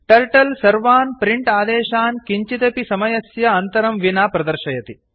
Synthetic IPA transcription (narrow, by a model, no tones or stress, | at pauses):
ʈɐɾʈɐlsɐɾʋaːnpɾiɳʈaːd̪eːʃaːnkiɲt͡ʃit̪ɐpisɐmɐjɐsjɐɐnt̪ɐɾɐmʋinaːpɾɐd̪ɐɾʃɐjɐt̪i